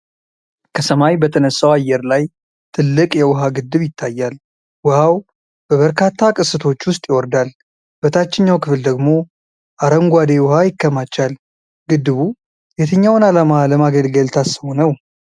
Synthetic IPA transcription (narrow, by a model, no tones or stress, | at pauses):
kʰəsəmajbət̪ʰənəsːawajɛɾlaj | t̪ʰɨlːɨkʼjɛwʊɦaɡɨd̪ːɨβjɪt̪ʰːajːal | wʊhaw | b̥əβəɾkʰat̪ʰːakʼɨsːɨt̪ʰo̞t͡ʃːwʊst̪ʼjɪwɔɾd̪al | b̥ət̪ʰat͡ʃːɪɲːawkʰɨfɨld̪əɡmo̞ | ʔaɾəŋɡʷad̪ewʊhajɪkːəmat͡ʃːal | ɡɨd̪ːɨβu | jet̪ʰəɲːawʊnalamaləmaɡəlɡəlt̪ʰasəhonəw